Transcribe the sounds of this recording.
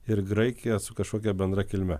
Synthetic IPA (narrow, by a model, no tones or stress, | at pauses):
ɪɾɡɾɐɪkʲɪjɛsʊkɐʃkoːk̬ʲɛbʲɛnd̪ɾɐkʲɪlʲmʲɛ